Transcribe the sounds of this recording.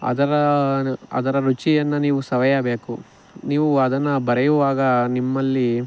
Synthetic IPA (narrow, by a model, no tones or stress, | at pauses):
ɐ̰d̪ɐɾɐ | ɐ̰d̪ɐɾɐɾut͡ʃijɐnːɐniːʋusɐʋɐjɐbeːku | niːʋuɐd̪ɐnːɐbɐɾɛjuʋaːɡɐnimːɐlːi